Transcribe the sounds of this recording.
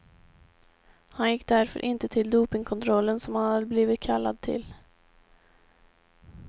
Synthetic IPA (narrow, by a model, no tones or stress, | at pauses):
hanjɪkːd̪æɾfœ̰ɾʔɪnt̪ət̪ʰɪld̪uːpɪŋkʰɔnt̪ʰɾɔlːənsɔmhanhad̪əbliːvɪt̪̚kʰalːad̪̚t̪ʰɪ̰l